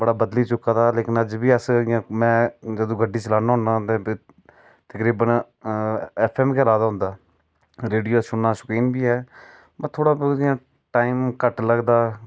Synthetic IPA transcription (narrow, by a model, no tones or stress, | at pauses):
bəɽaːbəd̪liːt͡ʃʊkːaːd̪aːleːkɪnəd͡ʒbiːəsãːmɛ̃ːd͡ʒəd̪õːɡəɖːiːt͡ʃəlaːnaːɦʊ̃nd̪aːt̪ẽː | t̪əkɾiːbən | ɛːpʰɛːmkeːəlaːd̪aːɦʊ̃nd̪aː | ɾeːɖijoːsʊnːaːsʊkiːnbiːɦɛː | mɛ̃ːt̪ʰoːɽaːbãː | ʈaːiːmkəʈləɡd̪aː